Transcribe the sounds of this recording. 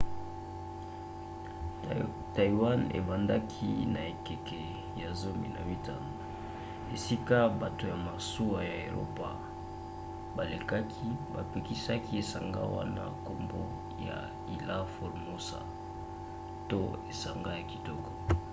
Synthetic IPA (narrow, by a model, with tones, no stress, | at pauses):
ta˨i˨wa˦nḛ˨ba˨nda˦kʰḭ˦na˨e˨kɛ˨kɛ˨ | ja˨zo˦mbi˨na˨wi˦ta˨nda˨ | e˨si˦ka˦ba˨to˨ja˨ma˨su˦wa˨ja˨e˨ɾo̰˦pa˨ | ba˨le˨ka˦kʰi˦ba˨pe˨ki˦sa˦ki˦e˨sa˨ŋɡa̰˦wa̰˦na̰˦ko˨mbo˦ | ja̰˨ | i˨la˦fo˨lmo˦sa̰˨ | to˦e˨sa˨ŋɡa˦ja˨ki˨tɔ˦kɔ˨